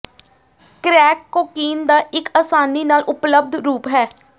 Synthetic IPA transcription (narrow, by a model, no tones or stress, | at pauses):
kɾɛːkːoːkiːnd̪aːʔɪkaːsaːniːnaːlʔʊpləb̚d̪ɾuːpɦɛː